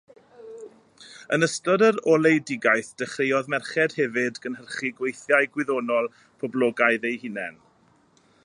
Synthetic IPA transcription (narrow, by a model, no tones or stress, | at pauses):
ənəstɔdəɾɔlˠejdɪɡajθd̥əχrejɔðmɛrχɛd̥hɛvɨdɡənɦərχiɡwejθjaɨɡwɪðɔnɔlˠ | pʰɔblˠɔːɡaɨðejhɪnɛ̰n